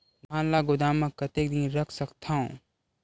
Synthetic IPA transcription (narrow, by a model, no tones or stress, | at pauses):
mãːnlaɡʊd̪aːmə̃kːət̪ekd̪ĩnɾəkʰsəkt̪ʰaːõ